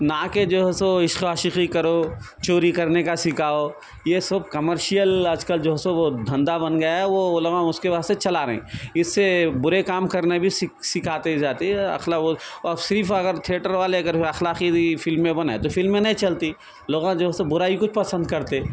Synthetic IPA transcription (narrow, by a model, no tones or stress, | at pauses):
naːked͡ʒoːɦɛsõɪʃkaːʃɪqikɐɾo | t͡ʃoːɾikɐɾnekasɪkʰaːo | jesʊb̚kɐməɾʃijəlɐd͡ʒkəld͡ʒoːɦsõʋod̪ʱɐ̃nd̪abɐnɡɐjaɦɛʋoʊlmãʊskeʋaːst̪et͡ʃɐlaɾɐɦḛ̃ːɪsːebʊɾekaːmkɐɾnebʱisɪsɪkʰaːt̪ed͡ʒaːt̪eɐ̰xlaːosɪɾfʰɐɡəɾt̪ʰieːʈəɾʋaːleɐɡəɾɐxlaːqifɪlmːẽbɐnaːet̪ofɪlmːẽnɐɦĩt͡ʃɐlt̪i | loːɡãd͡ʒoːɦsebʊɾaːikʊt͡ʃʰpɐsə̃nd̪̚kɐɾt̪e